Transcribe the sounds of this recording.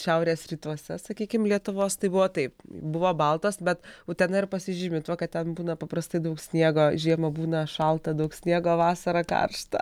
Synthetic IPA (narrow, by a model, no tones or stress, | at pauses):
ʃʲɛʊɾʲeːsrʲiːt̪uɔsʲɛ̰sɐkʲiːkʲɪmlʲiɛt̪ʊʋoːst̪ɐɪbʊʋoːt̪ɐɪpbʊʋoːbɐlˠt̪oːsbʲɛt̪ʊt̪ʲɛnɐɪrpɐsʲɪʒʲɪmʲɪt̪ʋoːkɐt̚t̪ʲɛnbuːnɐpɐpɾɐst̪ɐɪd̪ɐʊksʲnʲiɛɡoːʒʲiɛmɐbuːnɐʃɐlˠt̪ɐd̪ɐʊksʲnʲiɛɡoːʋɑːsɐɾɐkɐ̰rʃt̪ɐ̰